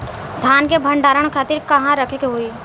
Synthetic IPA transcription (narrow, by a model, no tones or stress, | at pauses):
d̪ʱjaːnkebʱə̃ɳɖaːɾəɽ̃kʰaːt̪ɪɾkɐɦãɾəkʰekeɦoiː